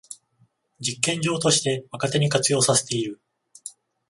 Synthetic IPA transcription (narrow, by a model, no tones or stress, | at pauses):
d͡ʑikːẽ̞ɲ̟d͡ʑo̞ːt̪o̞ɕi̥t̪e̞βakat̪e̞ɲ̟ikat͡sɨjo̞ːsase̞̥t̪e̞iɾɯ̟